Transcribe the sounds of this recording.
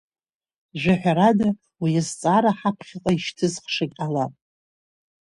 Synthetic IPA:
ʒʷᶣaħʷᶣaɾada | wijazt͡sʼaɾaħapʰχʲɪqʼaiʃtʰɨzχʂakʲʼalapʼ

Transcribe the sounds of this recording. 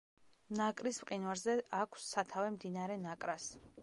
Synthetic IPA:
nakʼɾismqʼinwaɾzɛʔakʷʰsːat̪ʰavɛmd̪inaɾɛnakʼɾas

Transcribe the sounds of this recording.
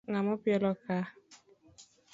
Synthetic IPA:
ŋamɔpjɔlɔka

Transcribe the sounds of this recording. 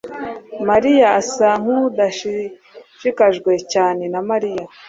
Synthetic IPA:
maɾijaːsaŋ̥hud̪aʃi | ʃikaʒɡwe̞caːne̞namaɾija

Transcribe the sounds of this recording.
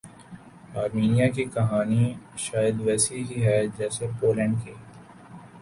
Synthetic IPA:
aːɾmiːnijakikɐɦaːniʃaːjəd̪ʋɛːsiɦiɦɛd͡ʒɛːsepoːlɛ̃ːɳɖ̚keː

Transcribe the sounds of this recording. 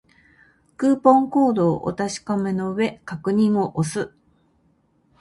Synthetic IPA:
kɯːpõ̞ŋko̞ːd̪o̞ːʔo̰t̪aɕi̥kome̞no̞ɯ̟βe̞kakɯ̟ɲ̟ĩɰ̃o̞ʔosɨ

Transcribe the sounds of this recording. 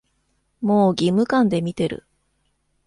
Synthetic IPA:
moːɡʲimːɯ̟kãnd̪e̞mʲit̪e̞ɾɯ̟̰

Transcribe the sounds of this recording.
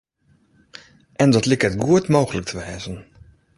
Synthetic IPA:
ʔɛndɔtlɪkətɡuətmoːɣələk̚tʰəʋɛːzən

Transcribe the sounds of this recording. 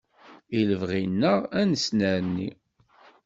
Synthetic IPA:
iləvʁinːəʁænəsnæɾənːi

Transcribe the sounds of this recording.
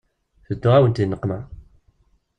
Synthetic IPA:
θəd̪ːʊʁawənt̪inːəqːmæ

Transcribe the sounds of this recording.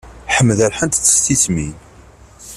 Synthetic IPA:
ħəmːðæɾħənt̪t͡sːə̥st̪ismin

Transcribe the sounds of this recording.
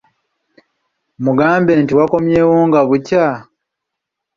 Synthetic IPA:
muɡaːmbe̞ːntiwako̞mje̞ːwoːŋɡaβuca

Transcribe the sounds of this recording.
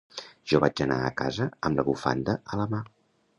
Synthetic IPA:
ʒ̥ɔβad͡ʒəna̰əka̰zəəmləβufa̰nd̪əʔələma

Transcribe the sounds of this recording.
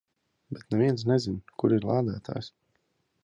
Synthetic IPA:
bɛt̪nevʲiɛns̬nɛzinkuɾiɾlˠaːd̪aːt̪ʰa̰ːjs

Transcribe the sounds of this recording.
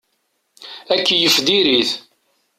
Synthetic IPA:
ækːijəfd̪iɾiθ

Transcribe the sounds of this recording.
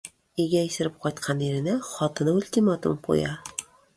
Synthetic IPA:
iɡʲæisɪ̆ɾɪp̚qʰɒjt̪qʰɑniɾɪ̆næχɒt̪ɤnʊlʲt̪ʲimat̪ṵmqʰo̰jɑ

